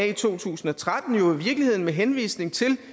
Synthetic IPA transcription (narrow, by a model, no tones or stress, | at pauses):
it͡sʰo̝̰ːt͡sʰṵːsn̩ɒ̽t͡sʰʁad̥n̩jo̝iʋiɐɡ̥lihe̝ð̞̰ˠn̩meɦenʋḭːsne̝ŋt͡sʰe̝l